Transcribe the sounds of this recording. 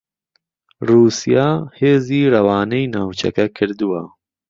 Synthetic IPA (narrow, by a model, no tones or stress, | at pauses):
ruːsijaːheːziːrɐwaːnejnaːwt͡ʃʰɛ̰kɛkʰɨɾd̪uwa